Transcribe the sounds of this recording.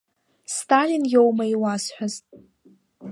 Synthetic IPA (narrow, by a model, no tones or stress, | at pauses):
stʰalinjowmaiwasħʷᶣaztʼ